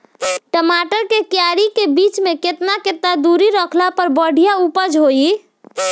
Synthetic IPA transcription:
ʈəmaʈəɾkekjaɾikebit͡ʃmeket̪naket̪nad̪uɾiɾəkʰlapəɾbəɽ̤ʱijaupəd͡ʒɦoi

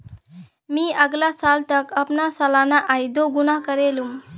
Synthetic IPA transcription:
miːəɡlasalt̪əkəpnasəlanaʔajd̪oɡunakəɾelum

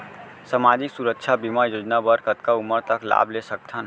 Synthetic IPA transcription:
səmad͡ʒiksuɾəkt͡ʃʰabimajod͡ʒnabəɾkət̪kaumːəɾt̪əkla̰blesək̚t̪ʰən

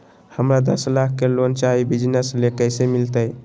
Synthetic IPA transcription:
həmɾad̪əslak̚ʰːelont͡ʃaibid͡ʒnəslekəjsemilt̪əj

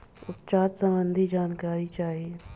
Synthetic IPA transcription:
ʊpt͡ʃaːt̪sə̃mbənd̪ʱid͡ʒaːnkaːɾit͡ʃaːɦie

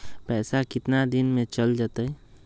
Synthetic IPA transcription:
pɛsakit̪nad̪inmẽt͡ʃəld͡ʒat̪əj

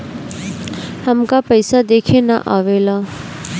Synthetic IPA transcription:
həmkapəjsad̪eːkʰena̰ʔaːʋeːlaː

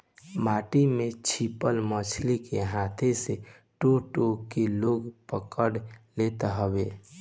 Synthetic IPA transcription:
maːʈimẽt͡ʃʰipəlmət͡ʃʰlikeɦat̪ʰese | ʈoʈokeloːɡpəkəɽlet̪ɦəbe

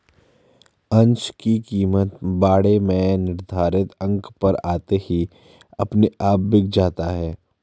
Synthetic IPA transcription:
ɐ̃nt͡ʃkikiːmət̪baːɽemẽnɪɾd̪ʱaːɾɪt̪ɐ̃ŋkpɐɾaːt̪ehi | ɐpneʔaːpbɪk̚ʰd͡ʒaːt̪aɦɛː

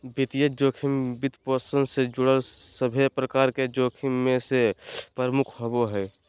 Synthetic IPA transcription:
bit̪ijəd͡ʒoːkʰimbit̪posənsed͡ʒʊɽəlsəbʱepɾəkaːɾked͡ʒoːkʰimːẽsepəɾəmʊkʰɦoboɦɛː

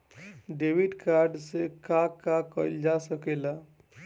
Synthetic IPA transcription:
ɖewiʈkaɾɖsekakakəld͡ʒasəkela

